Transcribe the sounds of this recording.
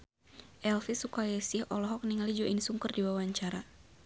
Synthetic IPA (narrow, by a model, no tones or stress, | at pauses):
ʔɛlfisukajasɪhʔɔlɔɦɔk̚niŋalid͡ʒɔʔinsuŋkərdiwawaɲt͡ʃaɾa